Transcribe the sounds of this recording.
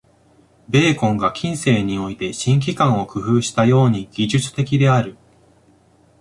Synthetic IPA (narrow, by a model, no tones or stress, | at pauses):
be̞ːkõ̞ŋɡakʲʰĩɰ̃se̞ːɲ̟io̞it̪e̞ɕĩŋk̬ʲikãɰ̃o̞kɯ̟ɸɯːɕi̥t̪ajo̞ːɲ̟iɡ̥ʲiʑɨt͡sɨ̥t̪e̞kʲid̪e̞aɾɯ̟